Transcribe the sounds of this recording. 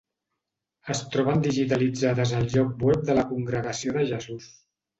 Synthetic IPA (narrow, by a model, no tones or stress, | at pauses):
əst̪ɾɔβənd̪iʒit̪əlid͡zaðəzəlˠʎɔk̚bwɛp̚d̪ələkuŋɡɾəɣəsioðəʒəzus